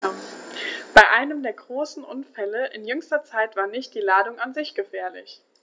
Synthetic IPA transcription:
b̥aɪʔaɪnəmdeːɐɡʁoːsn̩ʔʊnfɛləʔɪ̰njʏŋstɐt͡saɪtv̥aːɐnɪçt̚d̥iːlaːdʊŋanzɪçɡ̥əfɛːɐlɪ̰ç

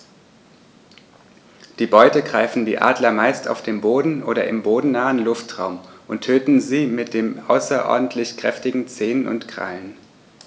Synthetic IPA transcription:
d̥iːbɔʏtəɡʁaɪfn̩dḭːʔa̰ːdlɐmaɪsta̰ʊfd̥eːmboːdn̩ʔoːɾɐʔɪmboːdn̩naːənlʊftʁ̥aʊmʔʊntʰːøːtn̩ziːmɪt̚d̥eːmʔa̰ʊsɐʔɔ̰ɐdn̩tʰlɪçkʁ̥ɛ̰ftɪɡŋ̩t͡seːnənʔʊ̰ntkʁ̥a̰ln

